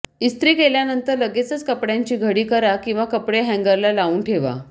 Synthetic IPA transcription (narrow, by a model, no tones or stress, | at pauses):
ist̪ɾiːkeljanənt̪əɾləɡet͡sət͡skəpɽjaɲt͡ɕiːɡʱəɽiːkəɾakĩw̃ʋakəpɽeɦɛ̃ŋɡəɾlalauːɳʈʰeʋa̰